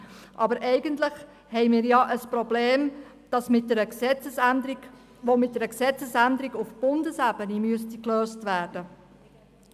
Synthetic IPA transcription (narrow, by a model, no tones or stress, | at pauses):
ʔɑbəɾʔɛɪɡəntlɪχ | hɛɪjmiːɾjɑʔəspɾɔbleːm | d̥ɑsmɪt̚dɛɾəksɛt͡səsnd | ʋomɪt̚d̥̪ɛɾəksɛt͡səsændəɾiɡufb̥ʊndəsæbənimyəstikløːstʋæːrd̥ə